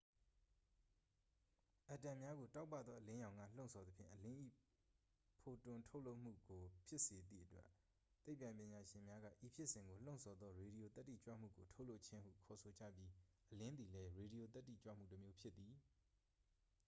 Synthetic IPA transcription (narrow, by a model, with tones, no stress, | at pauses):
ʔa˨tã˨mja˦ɡo˨ta˦ʊpːä̰˦˨d̪ðɔ˦ʔəlɪ̃˦jã˨ŋä̰˦˨l̥õ˦˨ʊ̃nsʰɔ˨d̪əpʰjɪ̰̃˦˨ʔəlɪ̃˦ʔḭ˦˨ | pʰo˨tʊ̃˨ntʰo˦ʊʔlo˦ʔm̥ṵ˦˨ɡo˨pʰjɪ˦ʔse˨d̪ḭ˦˨ʔətwɛ̰˦ʔ | t̪ːe˦ɪpːã˨ɪ̃pjɪ̃˨ɲa˨ʃɪ̃˨mja˦ɡä̰˦˨ʔi˨pʰjɪ˦ʔsɪ̃˨ŋɡo˨l̥õ˦˨ʊ̃nsʰɔ˨d̪ðɔ˦ɹe˨ɾi˨jo˨t̪ɛ˦tːḭ˦˨t͡ɕwä̰˦˨m̥ṵ˦˨ɡo˨tʰo˦ʊʔlo˦ʊʔt͡ɕʰɪ̃˦hṵ˦˨kʰɔ˨sʰo˨d͡ʑä̰˦˨bji˦ʔəlɪ̃˦nd̪i˨lɛ˦ɹe˨ɾi˨jo˨t̪ɛ˦tːḭ˦˨t͡ɕwä̰˦˨m̥ṵ˦˨tə˨mjo˦pʰjɪ˦t̪t̪ːi˨